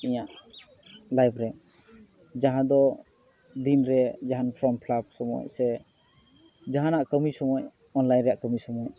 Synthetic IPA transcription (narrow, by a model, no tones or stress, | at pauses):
iɲaʔ | lajbɾɛ | d͡ʒaɦãd̪ɔ | d̪inɾɛd͡ʒaɦanpʰɾɔmpʰlab̚sɔmɔ̰jsɛ | d͡ʒaɦanaʔkəmisɔmɔj | ɔnlajnɾɛjaʔkəmisɔmɔj